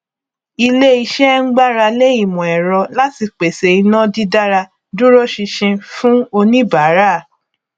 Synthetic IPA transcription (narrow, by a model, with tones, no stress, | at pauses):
i˧le˦i˧ʃɛ˦ŋ̩˦ɡ͡ba˦ɾa˧le˦i˦˨mɔ̃˨ɛ˨ɾɔ˧la˦ti˧k͡pe˨se˨i˧nã˦di˦da˦ɾa˧ | dũ˦ɾo˦ʃi˧ʃĩ˧fũ˦o˧nĩ˦baː˨˦ɾa˦˨